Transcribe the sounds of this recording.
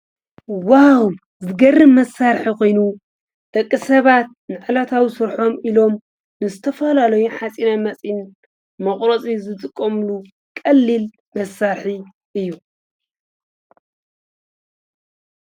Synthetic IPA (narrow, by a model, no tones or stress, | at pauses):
waw | zɨɡɐrːɨmːɐsːaɾħikʰo̞jnu | d̪̥ɐkʼːisɐβat̪̚nɨʕɨlat̪ʰawisɨɾħo̞milo̞m | nɨzɨt̪ʰɐfɐlalɐjuħat͡sʼinamɐt͡sʼin | mɐχʼɾot͡sʼizɨt̪ʼɨkʼːomlu | kʼɐlːil | mɐsːaɾħi | ʔɨjːu